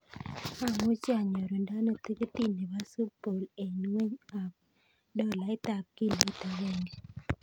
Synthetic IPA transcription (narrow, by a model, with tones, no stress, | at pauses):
a˦˨mu˦t͡ʃa˨ɲo˨ɾo˨nda˦no˦˨t̪i˦ke˦t̪i˦ne˨ba˦su˦po˨le˨nwe˦ɲa˨k̚ | dɔ˦la˨ɪ˦t̪a˨k̚ki˦li˦t̪a˨we˦ŋɡe˨